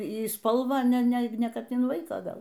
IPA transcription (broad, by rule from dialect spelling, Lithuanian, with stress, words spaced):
iː ˈspɐlˠʋɑː nʲɛ ˈnʲɛ ˈkɐt ɪn ˈʋɐɪkɑː ˈɡɐlˠ